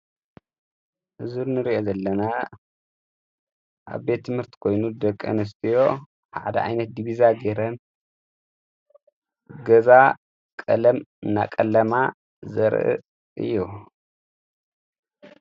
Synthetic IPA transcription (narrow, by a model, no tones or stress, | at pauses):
ʔɨzuɾnɨɾiʔo̞zɐlːɐna | ʔa̰βbe̞t̪ʰːɨmhɨɾt̪ʰi̥kʰo̞jnud̪ɐkʼːɨ̰nɨs̬t̪ʰijo̞ | ħaʕad̪ɐʕa̰jnɐt̪̚d̪iβizaɡeɾɐn | ɡɐza | kʼɐ̰lɐmɨnːa̰kʼɐlːɐma | zɐɾʔɨ̰ | ʔɨ̰jːu